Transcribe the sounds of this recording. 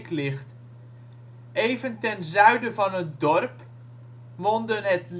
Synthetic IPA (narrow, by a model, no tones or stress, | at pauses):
klɪχt | ejvəntɛnzœɥdəvɑnɦətdɔrp | ʋɔndənətl